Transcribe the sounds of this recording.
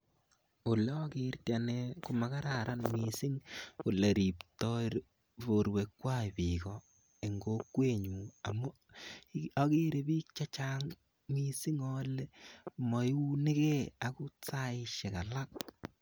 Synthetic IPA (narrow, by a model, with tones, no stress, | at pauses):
o˨le˦ɔ˦ki˦rtjaneku˦ma˨ka˦ɾaɾa˦nmi˨si˦ŋu˨le˨ɾi˨ptɔ˦ɾ | βo˨ɾwekːwa˦pikɔ | e˨ŋɡokwe˦ɲu˨a̰˨mu˦ | ɔ˦ki˦ɾe˨biː˦k̚t͡ʃa˦t͡ʃaŋ | mi˦si˦ŋɔ˦le˦mɔ˨ju˦nɪ˦ke˦a˨ku˦t͡saɪʃe˨ka˨la˦k̚